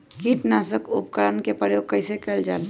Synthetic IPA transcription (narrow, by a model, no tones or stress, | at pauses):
kiːʈnaːsəkʊ̰pkəɾənkepəɾjoːkəɪsekeld͡ʒaːl